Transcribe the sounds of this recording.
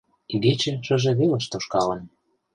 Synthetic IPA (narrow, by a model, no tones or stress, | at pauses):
iɡet͡ɕĕʃɤ̆ʒĕβelə̆ʃt̪oʃkɑlə̆n